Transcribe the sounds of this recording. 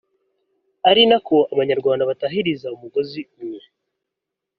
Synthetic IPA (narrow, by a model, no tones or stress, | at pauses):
aɾinako̞aβaɲaɾɡwaːndaβataɦiɾizaumuɡo̞ziumwe